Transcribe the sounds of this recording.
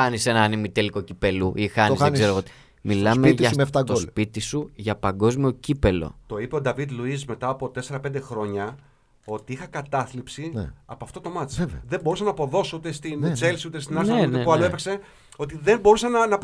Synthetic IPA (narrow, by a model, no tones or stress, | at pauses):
ɐnisenɐɐnimit̪eliko̞cipeluʔixɐnizenzeɾoɣot̪i | milɐmeʝeft̪ɐɡt̪ospit̪isuʝɐpɐŋɡo̞zmio̞cipe̞lo̞̰t̪o̞ipe̞o̞d̪ɐvid̪luizme̞t̪ɐːpo̞t̪e̞se̞ɾɐpend̪e̞xɾo̞ɲɐ | o̞t̪iixɐkɐt̪ɐθlipsiɐ̰poɐft̪o̞t̪o̞mɐt͡svðe̞bo̞ɾusɐnɐpo̞ðo̞sout̪e̞st̪int͡se̞lsiut̪e̞st̪inɐɾθeunepuɐloepekse̞ | o̞t̪iðe̞mbo̞ɾusɐnɐnɐp